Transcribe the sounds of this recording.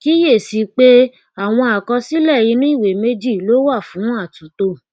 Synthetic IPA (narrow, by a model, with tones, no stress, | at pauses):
ki˦je˦˨si˧k͡pe˦ | a˦˨w̃ɔ̃˧a˨kɔ˧si˦lɛ˦˨ji˨˧˦nũ˦i˦˨we˨me˦d͡ʒi˦˨lo˨˦wa˦˨fũ˨˦a˦˨tũ˨˦to˧˨